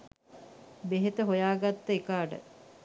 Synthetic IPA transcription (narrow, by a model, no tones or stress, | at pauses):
beɦet̪əɦojaːɡat̪ːəekaːɖə̰